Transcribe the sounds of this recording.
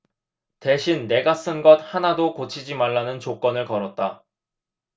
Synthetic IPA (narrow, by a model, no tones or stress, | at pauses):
te̞ɕʰinːe̞ɡas͈ɯnɡʌt̚hanadokot͡ɕʰid͡ʑimaɭːanɯnt͡ɕok͈ʌnɯɭkʌɾʌt̚t͈a